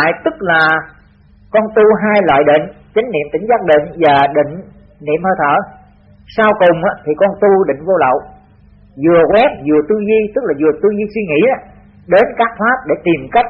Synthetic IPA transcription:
a̰ː˧˨jt̪ɨ˦˥k̚laː˨˩ | kɔ˧nt̪u˧ɦaː˧jlwa̰ː˧˨jɗḭ˧˨ŋ̟ | t͡ɕa˨˦ŋ̟nḭ˧˨mt̪ï˧˩ŋ̟zaː˦˥k̚ɗḭ̈˧˨ŋ̟vaː˨˩ɗḭ̈˧˨ŋ̟ | nḭ˧˨əmhəː˧˩jt̪ʰə̰ː˧˨ | saː˧wkʊ˨˩ŋ͡mʔaː˨˦˥t̪ʰi˨˩kɔ˧nt̪u˧ɗḭ̈˧˨ŋ̟vo˧lə̰˧˨w | zɨ˨˩əkwɛ˦˥p̚zɨ˨˩ət̪ɨ˧zi˧t̪ɨ˦˥k̚laː˨˩zɨ˨˩ət̪ɨ˧zi˧swi˧ŋḭ˧˥a˨˦ | ɗe˨˦nkaː˦˥k̚t̪ʰwaː˦˥p̚ɗe˧˩t̪i˨˩mka˦˥jk̟̚

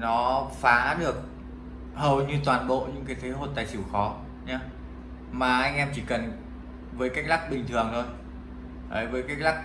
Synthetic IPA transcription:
nɔ˨˦faː˨˦ɗɨ˨˩ək̚ | həː˨˩wɲɨ˧t̪waː˨˩nɓo̰˧˨ɲɨ̰˧˥ŋkaː˨˦jt̪ʰe˨˦ɦo˧˩t̚t̪aː˨˩jsi˧˩wxɔ˨˦ | ɲaː˧ | maː˨˩ʔa˧jŋ̟ʔɛ˧mt͡ɕi˧˩kə˨˩n | vəː˨˦jkaː˦˥k̚la˦˥k̚ɓï˨˩ŋ̟t̪ʰɨ˨˩əŋt̪ʰo˧j | ʔəː˨˦jvəː˨˦jka˦˥k̚la˦˥k̚

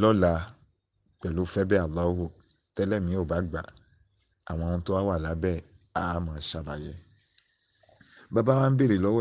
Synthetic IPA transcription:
lɔ˦la˨˦ | k͡pɛ˨lu˨˦fɛ˦bɛ˦a˨lːaː˦hu˦˨ | tɛ˦lɛ˦˨mĩ˨˦o˦˨ba˨˦ɡ͡ba̰˨ | a̰˨w̃ɔ̃˧nũ˧˦to˦wa˦wa˦˨la˨˦bɛ˦˨ | a˦˨˦mãː˨˧˦ʃa˦˨ɾa˨jɛ˧˦ | ba˦ba˦wa˦n̩˦be˦ɾi˨lɔ˦wɛ˦

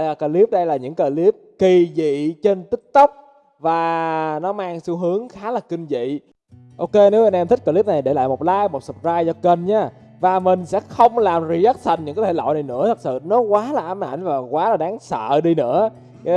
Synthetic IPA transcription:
kəː˧˩li˦˥əp̚ɗə˧jlaː˨˩ɲɨ̰˧˥ŋkəː˧˩li˦˥əp̚ki˧˩zḭ˧˨t͡ɕe˧nt̪ï˦˥k̚t̪ə˦˥wk͡p̚ | vaː˨˩nɔ˨˦maː˧ŋsu˧ɦɨ˨˦əŋxaː˨˦laː˨˩kï˧ŋ̟zḭ˧˨ | ʔo˧ke˧ne˨˦wʔa˧nʔɛ˧mt̪ʰi̟˦˥kəː˧˩li˦˥p̚na˨˩jɗe˧˩la̰ː˧˨jmo˨˩p̚laː˧˨jmo˨˩t̚sɨ˨˩p̚zaː˧jzɔ˧ke˧nɲaː˨˧˦ | vaː˨˩mï˨˩ŋ̟sɛ̰˧˥xə˧wŋ͡mlaː˨˩mri˧ʔɛ˦˥k̚t̪ʰa˨˩ŋ̟ɲɨ̰˧˥ŋkɔ˧˦t̪ʰe˧˩lɔ̰˧˨jna˨˩jnɨ̰˧˥ət̪ʰə˨˩k̚sɨ̰˧˨nɔ˨˦kwaː˨˦laː˨˩ʔa˧mʔa̰˧˩jŋ̟vaː˨˩kwaː˨˦laː˨˩ɗaː˨˦ŋsə̰ː˧˨ɗi˧nɨ̰˧˥ə˧˦

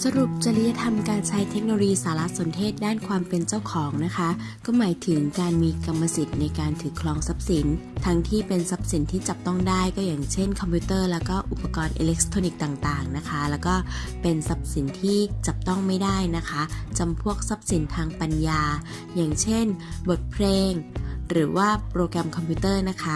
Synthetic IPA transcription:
sa˧ɾu˨˩p̚t͡ɕa˧li˦˥ja˦˧˥t̪ʰa˧mkaː˧nt͡ɕʰa˦˥jt̪ʰe˦˥k̚no˧o˧jiː˧saː˩˦la˦˥ʔso˩˦nt̪ʰeː˥˩t̪̚daː˥˩nkʰwaː˧mpe˧nt͡ɕa˥˩wkʰɔː˩˦ŋna˦˥kʰa˦˥ | kɔː˥˩maː˩˦jt̪ʰɯ˩˦ŋkaː˧nmiː˧ka˧mːa˧si˨˩t̪̚na˧jkaː˧nt̪ʰɯː˩˦kʰlɔː˧ŋsa˦˥p̚si˩˦nt̪ʰa˦˥ŋt̪ʰiː˥˩pe˧nsa˦˥p̚si˩˦nt̪ʰiː˥˩t͡ɕa˨˩p̚t̪ɔ˥˩ŋdaː˥˩jkɔː˥˩jaː˨˩ŋt͡ɕʰe˥˩nkʰɔ˧mpʰiuː˦˥t̪ɤː˥˩lɛː˦˥wkɔː˥˩ʔu˨˩pːa˧kɔː˧nʔḛː˧le˦˥k̚t̪ʰoː˧ni˨˩k̚t̪aː˨˩ŋt̪aː˨˩ŋna˦˥kʰa˦˥lɛː˦˥wkɔː˥˩pe˧nsa˦˥p̚si˩˦nt̪ʰiː˥˩t͡ɕa˨˩p̚t̪ɔ˥˩ŋma˥˩jdaː˥˩jna˦˥kʰa˦˥t͡ɕa˧mpʰu˥˩ək̚sa˦˥p̚si˩˦nt̪ʰaː˧ŋpa˧njaː˧ | jaː˨˩ŋt͡ɕʰe˥˩nbo˨˩t̪̚pʰleː˧ŋɾɯː˩˦waː˥˩pʰɾoː˧kɾa˧mkʰɔ˧mpʰuː˦˥t̪ɤː˥˩na˦˥kʰa˦˥

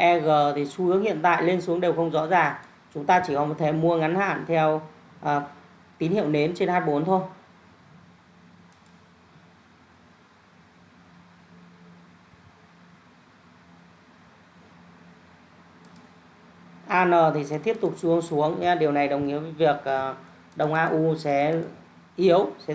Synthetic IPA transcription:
ʔɛ˧ɣəː˨˩t̪ʰi˨˩su˧ʔɨ˨˦əŋhḭ˧˨ənt̪a̰ː˧˨jle˧nsu˨˦əŋɗe˨˩wxə˧wŋ͡mzɔ̰˧˥zaː˨˩ŋ | t͡ɕʊ˨˦ŋ͡mt̪aː˧t͡ɕi˧˩kɔ̰˨˦mo˨˩t̪̚ʰe˨˦mu˧əŋa˨˦nha̰ː˧˨nt̪ʰɛ˧w | ʔ | t̪i˨˦nhḭ˧˨ə˨wne˨˦mt͡ɕe˧nhaː˧jɓo˨˦nt̪ʰo˧j | ʔaː˧nəː˨˩t̪ʰi˨˩sɛ̰˧˥t̪i˦˥əp̚t̪ʊ˨˩k͡p̚su˨˦əŋsu˨˦əŋ˧ɗi˨˩əwna˨˩jɗə˨˩wŋ͡mʔḭ˨˧˥əvvi˨˩ək̚ʔː | ɗə˨˩wŋ͡mʔaː˧ʔu˧sɛ̰˧˥ | ʔi˨˦əwsɛ̰˧˥

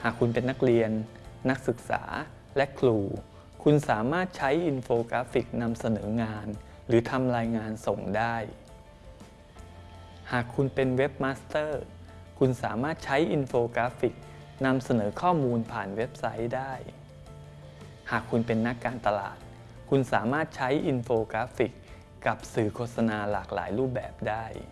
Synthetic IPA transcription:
haː˨˩kʰːu˧npe˧nːa˦˥k̚ɾi˧ənː | a˦˥k̚sɯ˨˩k̚sa̰ː˩˦ | lɛ˦˥ʔkʰluː˧ | kʰu˧nsaː˩˦maː˥˩t̪̚t͡ɕʰa˦˥jʔi˧nfoː˧kɾaː˦˥fi˨˩k̚na˧msa˧nɤː˩˦ŋaː˧n | ɾɯː˩˦t̪ʰa˧mɾaː˧jŋaː˧nso˨˩ŋdaː˥˩j | haː˨˩kʰu˧npe˧nwe˦˥p̚maː˦˥st̪ɤː˥˩ | kʰu˧nsaː˩˦maː˥˩t̪̚t͡ɕʰa˦˥jʔi˧nfoː˧kɾaː˦˥fi˨˩k̚ | na˧msa˧nɤː˩˦kʰɔː˥˩muː˧npʰaː˨˩nwe˦˥p̚sa˦˥jdaː˥˩j | haː˨˩kʰːu˧npe˧nːa˦˥kːaː˧nt̪a˧la̰ː˨˩t̪̚ | kʰu˧nsa̰ː˩˦maː˥˩t̪̚t͡ɕʰa˦˥jʔi˧nfoː˧kɾaː˦˥fi˨˩kː | a˨˩p̚sɯː˨˩kʰoː˥t̪̚sa˧naː˧laː˨˩k̚la̰ː˩˦jɾuː˥˩p̚bɛ̰ː˨˩p̚daː˥˩j

